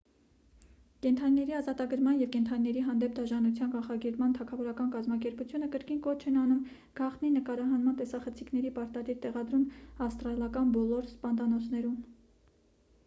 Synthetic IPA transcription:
kɛnt̪ʰɑninɛɾiɑzɑt̪ɑɡəɾmɑnjɛvkɛnt̪ʰɑninɛɾiɦɑnd̪ɛp̚d̪ɑʒɑnut͡sʰjɑnkɑnχɑɡɛpmɑnt̪ʰɑkʰɑvɔɾɑkɑnkɑzmɑkɛɾput͡sʰjunəkəɾkinkɔt͡ʃʰɛnɑnum | ɡ̥ɑχt̪ninəkɑɾɑɦɑnmɑnt̪ɛsɑχət͡sʰiknɛɾipɑɾt̪ɑd̪iɾt̪ɛʁɑd̪ɾumɑfst̪ɾɑlɑkɑnbɔlɔɾspɑnd̪ɑnɔt͡sʰnɛɾum

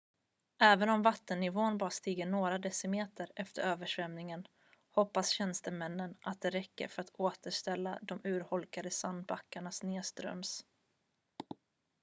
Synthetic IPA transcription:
ʔɛːvənɔmvat̪ːənːɪvoːnbɑːɾast̪iːɡəɳoːɾad̪ɛsəmeːt̪ʰəɾɛft̪əɾøːvəʂvɛmnɪŋən | hɔpːasɕɛnst̪əmɛnːəna̰t̪̚d̪ɛɾɛkːə̰ɾfœɾat̪ʰoːt̪ʰəʂt̪ɛlːad̪ɔmʉ̟ːɾhɔlkad̪əsand̪̚bakːaɳasneːst̪ɾœ̰ms

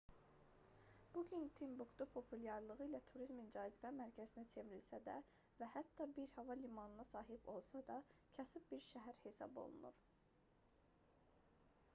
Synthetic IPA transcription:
b̥uɟynt̪ʰimbuɡd̪upʰo̞pʰuljɑɾlˠɯʁɯilæt̪ʰuɾizmind͡ʒɑːzibæmæɾcʰæzinæt͡ʃʰe̞viɾilsæd̪æ̰ | væhæt̪ːɑbiɾhɑvɑlimɑnɯnɑsɑːɦibo̞lˠsɑd̪ɑcʰæsib̚biɾʃæɦæɾhe̞sɑ̰bo̞̰lˠṵnṵɾ̥

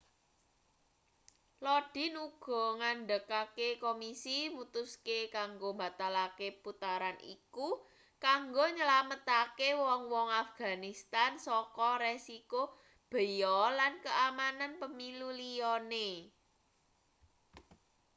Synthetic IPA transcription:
lɔɖ̥i̤nuɡ̥ɔ̤ŋanɖəkakekomisimut̪uskekaŋɡomba̤t̪alakeput̪aɾanʔḭku | kaŋɡoɲəlamət̪akewɔŋwɔŋafɡ̥a̤nist̪ansɔkɔɾesiko | b̥ə̤jɔlankəamananpəmilulijɔne

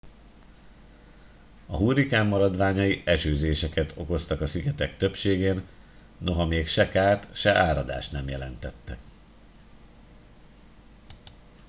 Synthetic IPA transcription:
ɒɦuːrikaːmːɒɾɒd̪ʋaːɲɒjiʔɛʃøːzeːʃɛkɛt̪ʰo̞̰ko̞st̪ɒkɒsiɡɛt̪ɛkt̪ø̞pʃeːɡeːnː | o̞ɦɒmeːkʃɛkaːrt̪ʃɛʔaːɾɒd̪a̰ːʃt̪nɛmjɛlɛnt̪ɛt̪ːɛk

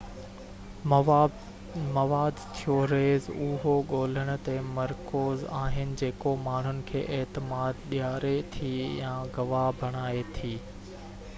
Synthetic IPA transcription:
mɐʋaːd̪t̪ʰijoɾeːzʊɦoɠoːl̤əɽ̃ʊ̆t̪emɐɾkoːza̰ːɦɪnɪ̆d͡ʑeːkomaːɳ̤ʊnɪ̆kʰḛːʔeːt̪ɪmaːd̪ɗɪjaːɾet̪ʰiːjãːɡɐʋabʱɐɽ̃aːet̪ʰiː

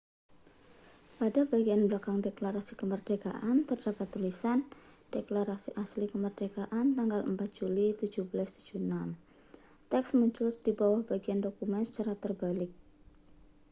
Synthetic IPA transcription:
padabaɡianbəlakaŋdeklaɾasikəmərdeɡa̰ʔant̪ərdapat̪ːulisan | d̥eklaɾasiʔaslikəmərdeɡaʔant̪aŋɡalʔəmpat̪̚d͡ʒ̥ulit̪ud͡ʒuhbəlast̪ud͡ʒ̥unam | t̪ɛksmuɲt͡ʃʊlsd̥ibawahbaɡiandokumɛnsə̥t͡ʃaɾat̪ərbalɪk̚

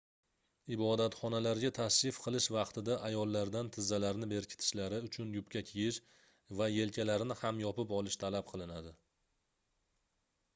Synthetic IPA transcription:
ɪbɒd̪at̪χɒnalaɾɡʲat̪ʰaʃɪfqʰɨlˠɪʃvɑqt̪ʰɪd̪aʔajɒlˠːaɾd̪ant̪ʰɪzːalaɾnɪbe̞ɾkʲʰɪ̥t̪ʰɪ̥ʃlaɾɪʊt͡ʃʰʊnjʊpkʲakʲʰejɪʃ | vaje̞lkʲʰalaɾnɪhamjɒpɪpɒlˠɪʃt̪ʰalap̚qʰɨlˠɪnad̪ɪ

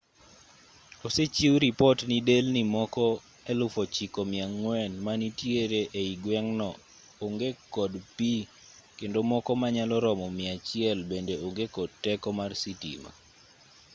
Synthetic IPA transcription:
oset͡ʃiɾipɔtnidelnimɔkɔ | ɛlʊfot͡ʃikɔmɪaŋwɛnmanitjeɾeʔeiɡwɛŋnɔ | oŋɡekɔdpi | kendomɔkɔmaɲalɔɾɔmɔmɪat͡ʃɪɛlbendeoŋɡekɔd̚tɛkɔmarsitḭma̰

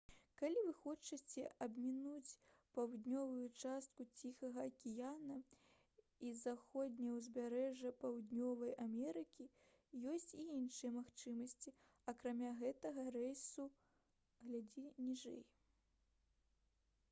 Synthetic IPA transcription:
kalʲivɨxɔt͡ʂɨt͡sʲɛʔɐbmʲinut͡sʲ | pawd̪nʲɔvujut͡ʂast̪̚kut͡sʲixɐɣɐːkʲijanɐ | izaxɔd̪ʲnʲwzʲbʲaɾɛʐɐpawd̪nʲɔvɐjamʲɛɾɨkʲi | jɔsʲt͡sʲiinʂɨjɛmaxt͡ʂɨmɐsʲt͡sʲi | ɐkɾamʲaɣɛt̪ɐɣɐrɛjsu | ɣlʲad͡zʲinʲiʐɛ̰j

